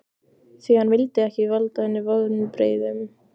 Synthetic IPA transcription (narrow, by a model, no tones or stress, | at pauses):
θiːðanvɪlt̪ɪɛhcɪvalt̪aɛnːɪvaðnʏpɾḛːjðʏm